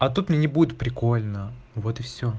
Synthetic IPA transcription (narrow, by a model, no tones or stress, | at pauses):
ɐt̪ut̪mʲnʲenʲɪbudʲɪt̪̚pɾʲɪko̞lʲnə | vo̞t̪ɨfsʲo